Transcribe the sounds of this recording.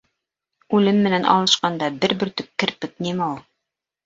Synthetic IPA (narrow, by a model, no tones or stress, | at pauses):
ʉlɘmːɘ̆nænʔɑ̰lˠɤ̆ʃqɑnd̪ɑbɘɾbɘ̆ɾt̪ɵp̚kːɘ̆ɾpɘ̆k̪̚nimæulˠ